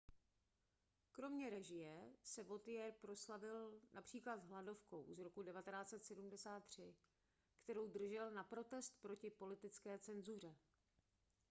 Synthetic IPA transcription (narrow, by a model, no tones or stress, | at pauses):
kɾo̞mɲɛɾɛʒɪjɛsɛvo̞t̪ɪjɛɾpɾo̞slavɪlnʔapr̝̥iːklad̪zɦlado̞fko̞̰wzɾo̞kudɛvat̪ɛnaːt͡sɛt̪sɛdumdɛsaːt̪̚ːr̝̥ɪ | kt̪ɛɾo̞wd̪r̩ʒɛlnapɾo̞t̪ɛst̪pɾo̞cɪpo̞lɪt̪ɪt͡skɛːt͡sɛnzur̝ɛ